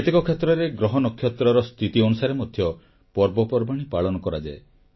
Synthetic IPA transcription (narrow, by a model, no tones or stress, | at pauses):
et̪ekɔkʰːjɔt̪ɾɔɾeɡɾɔɦɔnɔkʰːjɔt̪ɾɔɾɔst̪ʰit̪iɔnusaɾemɔd̪ʱjɔ | pɔɾbɔpɔɾbaɽ̃ipaɭɔnɔkɔɾad͡ʒae